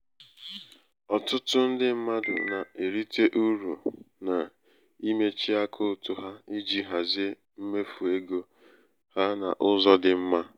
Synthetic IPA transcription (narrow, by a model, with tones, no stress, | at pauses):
ɔ˨tʊ˦tʊ˦n̩˦dɪ˦m̩˦ma˦dʊ̰˨na˨e˨ɾi˦tʰe˦ʔu˦ɾu˨na˨ | i˦me˦t͡ʃi˦a˦kʰʊ˦˨tʊ˦ɦa˦i˦d͡ʒi˦ɦa˨zɪ˦e˦ | m̩˦me˦fu˨e˦ɡo˦ | ha˦na̰˨ʔʊ˦zɔ˦dɪ˨m̩˦ma˦